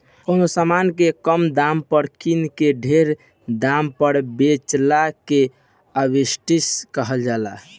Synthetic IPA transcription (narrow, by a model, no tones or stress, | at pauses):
kənosamankekəmd̪ampəɾkinkeɖʱeɾ | d̪ampəɾbet͡ʃlake | əbisʈiskəɦəld͡ʒala̰